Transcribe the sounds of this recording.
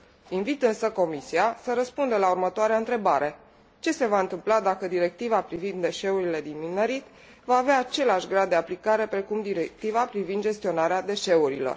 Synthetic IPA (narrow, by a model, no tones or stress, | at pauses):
invit̪ɨnsəko̞misiasəɾəspund̪əlaurmət̪oaɾeaɨnt̪ɾe̞baɾe̞ | t͡ʃe̞se̞vaɨnt̪ɨmplad̪akəd̪iɾe̞k̚t̪ivapɾivind̪ːe̞ʃe̞uɾile̞d̪inmineɾit̪ | vaːveaːt͡ʃe̞leaʃɡɾad̪ːe̞aplikaɾe̞pɾe̞kumd̪iɾek̚t̪ivapɾivind̪d͡ʒe̞st̪io̞naɾead̪e̞ʃe̞uɾilo̰r